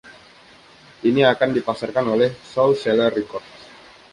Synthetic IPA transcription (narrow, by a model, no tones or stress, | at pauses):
ʔiniakandipasarkanolɛhsɔlsɛlərikɔrts